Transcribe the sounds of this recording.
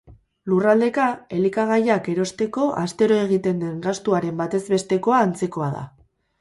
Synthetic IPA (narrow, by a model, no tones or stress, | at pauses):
lurald̪e̞kae̞likaɣ̞ajake̞ɾo̞st̪e̞ko̞ʔast̪e̞ɾo̞e̞ɣ̞it̪e̞nd̪e̞ŋɡast̪uaɾe̞mbat̪e̞zβe̞st̪e̞koaːnt͡se̞ko̞að̞a̰